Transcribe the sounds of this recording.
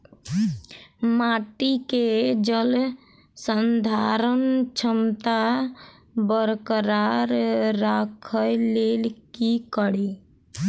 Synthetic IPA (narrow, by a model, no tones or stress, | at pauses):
maːʈiked͡ʒəl | sənd̪ʱaɾənt͡ʃʰəmt̪a | bəɾkəɾaɾɾakʰəjleːlkikəɽi